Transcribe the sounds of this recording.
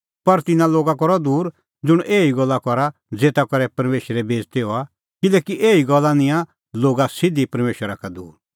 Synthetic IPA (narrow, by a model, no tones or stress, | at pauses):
pɐɾt̪ɪnãloːɡakɔɾɔd̪uːɾ | d͡zʊɽ̃ʔeːiɡɔlːakɔɾa | d͡zeːt̪akɔɾɛpɐɾmeːʃəɾɛbeːd͡zt̪ɛɦoa | kɪlɛːkiʔeːiɡɔlːanɪ̃jã | loːɡasɪd̪ipɐɾmeːʃwəɾakad̪uːɾ